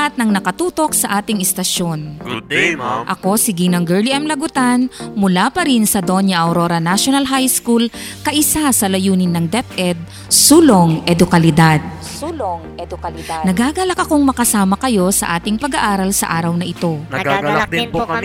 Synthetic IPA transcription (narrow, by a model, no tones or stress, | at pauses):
ɐt̪̚nɐŋnɐkɐt̪uːt̪o̞k̚sɐʔaːt̪ɪŋɪst̪ɐʃo̞n | ʔɐko̞sɪɡɪŋnɐŋɡɛɹliʔɛmlɐɡʊt̪anmʊlapɐɾinsɐd̪o̞njɐʔɐwɾoɾɐnaʃonɐlɦajskul | kɐʔɪsasɐlɐjuːnɪnːɐŋd̪ɛt̪ʔɛd̪̚ | suːloŋʔɛd̪ʊkɐlɪd̪ad̪̚ | nɐɡaɡɐlɐk̚ʔɐko̞ŋmɐkɐsaːmɐkɐjo̞sɐ̰ʔaːt̪ɪŋpɐɡɐʔaːɾɐlsɐ̰ʔaːɾɐwnɐʔɪt̪o̞ɡaɡ̚d̪